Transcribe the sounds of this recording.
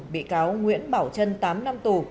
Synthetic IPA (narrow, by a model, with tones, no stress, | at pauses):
ɓḭ˧˨kaː˨˦wŋwḭ˧˥ənɓaː˧˩wt͡ɕə˧nt̪aː˨˦mna˧mt̪u˨˩